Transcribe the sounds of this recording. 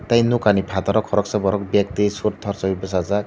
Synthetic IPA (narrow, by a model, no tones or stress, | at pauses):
t̪aj̃nukanipʰat̪ɔɾɔkʰːɔɾɔksabɔɾɔk̚bjak̚t̪isuʈ̚t̪ʰɔɾsɔbibɔsat͡sa